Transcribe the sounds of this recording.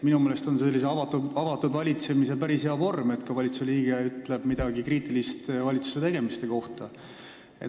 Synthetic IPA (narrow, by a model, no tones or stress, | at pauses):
minumeːle̞st̪o̞nse̞lːis̬eɑvɑt̪ːuɑvɑt̪ːud̪vɑlʲit̪se̞mise̞pæɾisɦeɑvo̞rme̞t̪kɑvɑlʲit̪suliːɡ̥eyt̪ˑle̞b̥mid̪̥ɑɡ̥ikriːt̪ˑilist̪vɑlʲit̪su̥se̞t̪e̞ɡ̥e̞mist̪eko̞ht̪ɑ | ḛ